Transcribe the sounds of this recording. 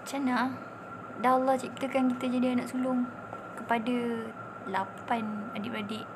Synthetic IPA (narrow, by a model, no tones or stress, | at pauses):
t͡ʃana | daɦalːaht͡ʃip̚t̪əkankit̪əd͡ʒadianaʔsulʊŋ | kəpada | lapanadɪʔɾadɪʔ